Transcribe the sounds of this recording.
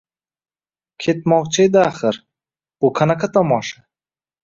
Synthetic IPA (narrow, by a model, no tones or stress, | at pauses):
kʲʰe̞t̪mɒʁt͡ʃʰajd̪aːχɪɾ | bʊqʰanaqʰat̪ʰɒmɒʃa